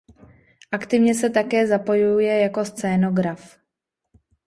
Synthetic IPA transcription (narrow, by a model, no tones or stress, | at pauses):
ʔakt̪ɪvɲɛsɛt̪akɛːzapo̞jujɛjako̞st͡sɛːno̞ɡɾaf